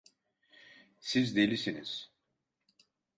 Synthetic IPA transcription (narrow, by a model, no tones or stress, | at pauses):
sizd̪elʲisiniz̥